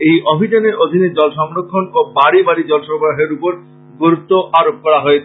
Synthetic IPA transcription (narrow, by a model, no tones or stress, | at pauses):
ejʔobʱid͡ʑaneɾʔod̪ʱined͡ʑɔlʃɔŋɾokʰːonobaɽibaɽid͡ʑɔlʃɔɾbʱaɾɦeɾupoɾ | ɡoɾut̪ːoʔʔaɾop̚kɔɾaɦoe